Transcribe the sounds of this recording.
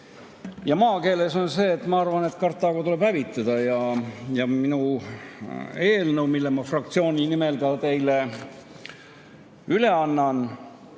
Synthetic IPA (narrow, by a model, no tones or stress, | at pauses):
jɑmɑːke̞ːle̞so̞nse̞ːt̪ːˑmɑɑrvɑne̞t̪kɑrt̪ːˑɑɡ̥ɑt̪ule̞b̥hævit̪ːˑɑd̪̥ɑjɑjɑminu | e̞ːlnəwmilːemɑfrɑk̚t̪sio̞ːnʲinime̞ld̪ɑt̪e̞jle̞ | yle̞ɑnːɑn